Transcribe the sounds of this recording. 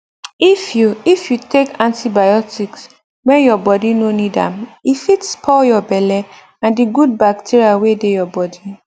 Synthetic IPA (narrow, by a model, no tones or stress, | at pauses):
ifjuifjutekãntibajɔtiks | wɛ̃njɔbɔdinonidã̰mifitspʰɔljɔbɛlɛ | ãndiɡud̚bak̚tʰiɹiawedejɔbɔdi